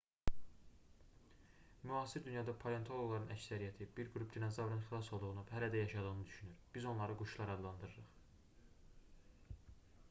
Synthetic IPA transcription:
myɑːsiɾd̪ynjɑd̪ɑpʰole̞nt̪ʰo̞lˠoɡlˠɑɾɯnæcsæɾijæt̪ʰibiɾɡɾup̚d̪inɑsɑvɾɯnxilˠɑso̞lˠd̪uʁunuhælæd̪æjɑʃɑd̪ɯʁɯnɯd̪yʃynyɾb̥izo̞nlˠɑɾɯɡuʃlˠɑɾɑd̪lˠɑnd̪ɯɾɯɾɯχ

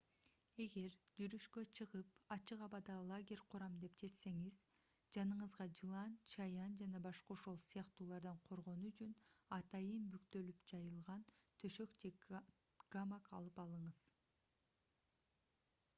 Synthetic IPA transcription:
e̞ɡe̞ɾd͡ʒyɾyʃkø̞t͡ʃʰɯʁɯpɑt͡ʃɯqɑβɑd̪ɑlˠaɡʲe̞ɾʲqʰuɾɑmd̪e̞pd͡ʒe̞t̪se̞ŋiz | d͡ʒɑnɯɴɯzʁɑd͡ʒɯlˠɑnt͡ʃʰɑjɑnd͡ʒɑnɑbɑʃqɑoʃo̞lˠsijɑqt̪uːlˠɑɾd̪ɑɴqʰo̞ɾʁo̞nuyt͡ʃʰynɑt̪ɑjɯnbykt̪ø̞lypd͡ʒɑjɯlˠʁɑnt̪ʰø̞ʃø̞kd͡ʒe | ɡ̥amakɑ̰lˠɯpɑlˠɯɴɯz̥

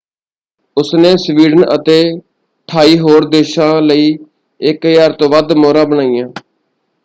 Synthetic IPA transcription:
ʊsnẽːsʋiːɖənət̪eː | ʈʰaːiːɦoːɾd̪eːʃãːləiː | ɪkjaːɾt̪õːʋəd̪moːɾãːbənaːijãː

